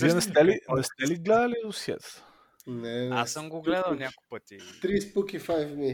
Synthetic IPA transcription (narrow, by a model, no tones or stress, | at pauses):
iɛnɛst̪ɛlinɛst̪ɛliɡlɛd̪ɐlid̪osjɛ̰t̪ | nɛasəmɡoɡlɛd̪əlnʲakʊjpət̪it̪ɾispukifajfni